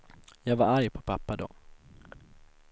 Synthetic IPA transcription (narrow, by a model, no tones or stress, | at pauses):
jɑːɡvaɾaɾjpʰɔ̥pʰapːad̪ɔ̰